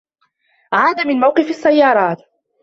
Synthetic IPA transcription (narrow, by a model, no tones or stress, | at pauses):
ʕaːd̪amɪnmawqɨfasːajːɑːɾˤɑːt̪